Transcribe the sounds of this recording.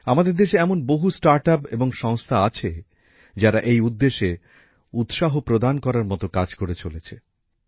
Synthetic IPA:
amad̪eɾd̪eʃeɛmonboɦusʈaɾʈapeboŋʃɔŋst̪ʰaat͡ɕʰe | d͡ʑaɾaʔejud̪ːeʃe | ut̪ʃaɦopɾod̪ankɔɾaɾmɔt̪okad͡ʑkoɾet͡ɕolet͡ɕʰe

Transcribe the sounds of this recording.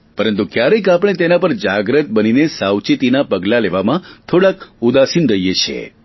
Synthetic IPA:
pəɾənt̪ukjaɾəkapəɽ̃et̪enapəɾd͡ʒaɡɾət̪̚bəninesawt͡ʃit̪inapəɡlaleʋamãt̪ʰoɽakud̪asinɾəɦijet͡ʃʰḛ

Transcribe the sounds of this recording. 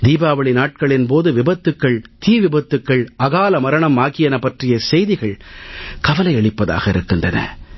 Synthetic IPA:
d̪iːbaːʋɐɭɪnaːʈ̚kɐɭɪnpoːðɯʋɪbɐt̪ːɯkːɐɭt̪iːʋɪbɐt̪ːɯkːɐɭɐɣaːlɐmɐɾɐɳɐmːaːɣɪjɐnɐpːɐʈrɪjɐsɛjðɪɣɐɭkɐʋɐlɐɪɛɭɪpːɐða̰ːɣɐɪɾɯkːɯndrɐnɐ̰

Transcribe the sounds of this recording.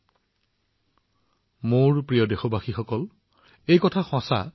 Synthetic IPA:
moɹpɹijɔdexobaxixɔkɔl | ejkɔtʰaxɔ̃sa̰

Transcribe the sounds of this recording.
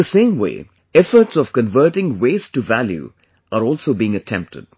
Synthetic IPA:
əsẽːmwḛː | ɛfəɾʈsɔv̥kə̃nvəɾʈɪ̃ŋweːztuvæljṵ | ʔəɾɔːlsoːbiɪ̃ŋətʰɛ̃mp̚tə̰d̥̚

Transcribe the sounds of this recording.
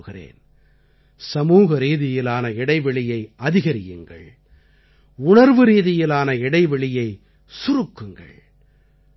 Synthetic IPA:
ɣɪrḛːn | sɐmuːɣɐɾiːðɪjɪlaːnɐɪɽɐɪʋɛɭɪjɐɪʔɐðɪɣɐɾɪjɯ̰ŋɡɐ̰ɭ | ʊnɐɾʋɯɾiːðɪjɪlaːnɐɪɽɐɪʋɛɭɪjɐɪ | sʊɾɯkːɯŋɡɐ̰ɭ

